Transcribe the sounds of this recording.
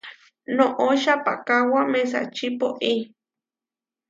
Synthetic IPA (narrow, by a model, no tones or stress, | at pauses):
nõʔoʃapa̰kawames̬a̰t͡ʃipoʔi